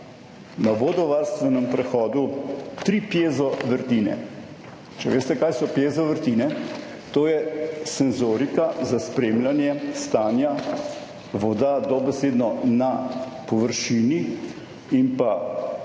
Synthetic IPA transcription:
nabod̪ɔʋaɾst̪ʋɛnɛmpɾɛxɔːd̪ut̪ɾipjeːzɔʋəɾt̪iːnɛ̰ | t͡ʃɛʋḛːst̪ɛkaːjsɔpjeːzɔʋəɾt̪iːnɛ | t̪oːjɛsɛnzoɾikazaspɾeːmljanjɛst̪aːnja | ʋɔd̪ad̪ɔbɛseːd̪nɔna | pɔʋəɾʃiːni | impa

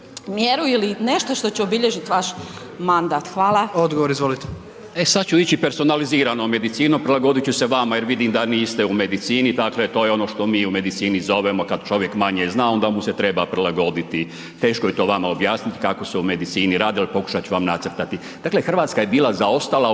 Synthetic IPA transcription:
mjeɾuilineʃt̪oʃt̪ot͡ɕeobiʎeʒit̪ʋaʃ | mand̪aːt̪xʋaːlˠaod̪ɡoʋoɾizʋolit̪e̥ | e̞sad̪t͡ɕuit͡ɕipe̞ɾso̞naliziːɾanome̞d̪it̪siːnopɾilˠaɡo̞d̪it͡ɕuseʋamaje̞ɾʋid̪imd̪aniːst̪e̞ume̞d̪it̪siːnid̪akle̞t̪oːjeo̞no̞ːʃt̪o̞miːume̞d̪it̪siːnizo̞ʋemo̞kad̪t͡ʃo̞ʋje̞kmaɲeznaːo̞nd̪amuse̞t̪ɾe̞bapɾilˠaɡo̞d̪it̪i | t̪e̞ːʃko̞jet̪o̞ːʋamaobjaːsnit̪i̥kako̞seume̞d̪it̪siːniɾaːd̪ialipo̞ku̥ʃat̪t͡ʃuʋamnat̪sər̩ɾt̪at̪i | d̪̥aːkle̞xr̩ʋaːt̪skaje̞biːlˠazao̞st̪ala

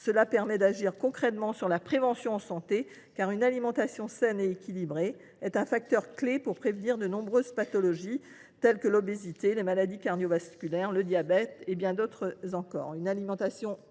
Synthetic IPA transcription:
səlapɛʁmɛd̪aʒiʁkɔ̃kχɛt̪mɑ̃syʁlapχevɑ̃sjɔ̃ɑ̃sɑ̃t̪e | kaʁynalimɑ̃t̪asjɔ̃sɛneekʲilibʁe | ɛt̪ɛ̃fak̚t̪œʁklepuʁpχevniʁd̪ənɔ̃bʁøzpat̪ɔlɔʒi | t̪ɛlkəlɔbezit̪elemalad̪ikaʁd̪jɔvaskʲylɛʁləd̪jabɛt̪ebjɛ̃d̪ot̪χəzɑ̃kɔ̰ːʁynalimɑ̃t̪asjɔ̃

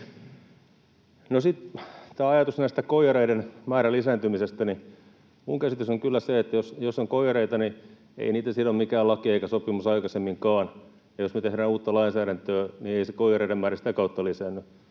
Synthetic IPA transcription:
nosit̪t̪æːɑjɑt̪usnæist̪ækoijɑɾeidenmæːɾælisæːnt̪ymisest̪æni | muŋkæsit̪ysoŋkylːæseet̪ːæjosjosːoŋkoijɑreit̪ɑni | ḛiniːt̪æsilːommikæːlɑkieikæsopːˑimusɑikɑsemːiŋkɑːn | jɑjosmet̪ehɾæːnuːt̪ːɑlɑinsæːɾænt̪øːnieisekojɑreidemmæːɾæsi̥t̪ækɑut̪ːɑlisænːy

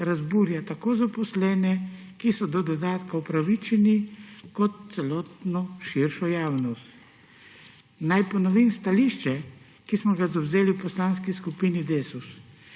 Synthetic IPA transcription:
ɾazbuɾjat̪akoːzapɔslɛːnɛ | kisɔd̪ɔd̪ɔd̪aːt̪kaɔpɾaʋit͡ʃɛnikɔt̪̚t̪sɛlɔːt̪nɔʃiɾʃɔjaːwnɔst̪ | najpɔnɔʋimst̪aliʃt͡ʃɛ | kismɔɡazawzeːliwpɔslaːnskiskupiːnid̪esus

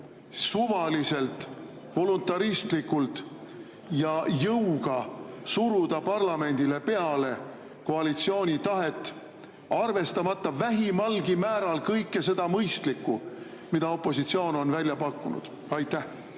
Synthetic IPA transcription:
suvɑlise̞lt̪ˑ | vo̞lunt̪ːˑɑɾist̪likːˑult̪ | jɑjɤwɡ̥ɑsuɾud̪̥ɑpɑrlɑme̞nʲd̪̥ile̞pe̞ɑle̞ | ko̞ɑlit̪sio̞ːnʲit̪ɑɦe̞t̪ːˑ | ɑrve̞st̪ɑmɑt̪ˑːɑvæɦimɑlɡ̥imæːɾɑlkɤjkːe̞se̞d̪̥ɑmɤjst̪likːˑu | mid̪̥ɑo̞pːˑo̞sit̪sio̞ːno̞nvælʲjɑpɑkːˑunṵd̪̥ | ɑjt̪ːæh

